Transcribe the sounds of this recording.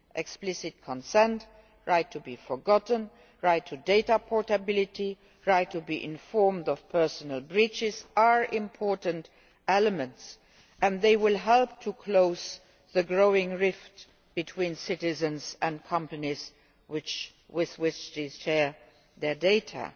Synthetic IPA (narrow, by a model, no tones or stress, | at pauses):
ʔɛksplɪsɪt̚kʰɔ̃nsɛ̃nt | ɹaɪtʰːubifɔɡɑtn̩ | ɹaɪtʰːudeɪtapʰɔɹtəbɪlɪtʰi | ɹaɪtʰːubiʔɪ̰̃nfɔɹmdɔv̥pʰɜ˞sənəlˠbɹit͡ʃɪzaɹʔɪ̃mpʰɔɹtə̃nt | ɛləmə̃nts | ʔə̃nðeɪwɪlˠɦɛlp̚tʰukʰloʊz | ðəɡɹoʊɪ̃ŋɹɪft | b̥itʰw̥ĩːnsɪtɪzə̃nzə̃nkʰʌ̃mpəniz | wɪt͡ʃ | wɪðwɪt͡ʃðeʃɛɹ | ðɛdeɪtʰə̰